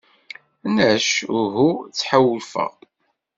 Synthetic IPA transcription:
næʃʊɦut͡sːħawːəlfə̰ʁ

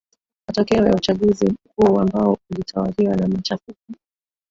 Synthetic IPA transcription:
matɔkɛɔja̰ut͡ʃaɠuzikuːambaɔulitʰawaliwanamat͡ʃafiki

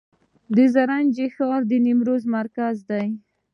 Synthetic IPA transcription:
d̪əzaɾand͡ʒexɑɾd̪ənimɾozmaɾkazd̪aj

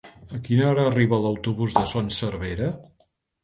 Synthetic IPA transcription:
əkinəɔɾəːriβələwt̪uβuzðəsonsəɾβeɾə

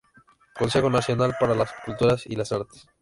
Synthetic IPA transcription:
konsexonasjo̞nalpaɾalaskult̪uɾasḭlasaɾt̪e̥s

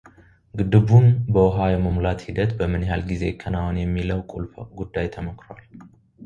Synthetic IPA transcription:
ɡɨd̪ɨβunbəwʊɦajɛməmlat̪hid̪ət̪bəmɨnjɦalɡize̞kʰːənawɔnjɛmːiləwkʼṵlfɡud̪ːajt̪ʰəməkʼɾowal

